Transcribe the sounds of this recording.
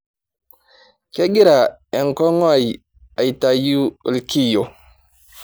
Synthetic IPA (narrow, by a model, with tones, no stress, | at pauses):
ke˦ɡi˦ɾa˨e˨ŋko˦ŋo˦a˦˨j | a˨jta˨ju˦lki˦˨jo˨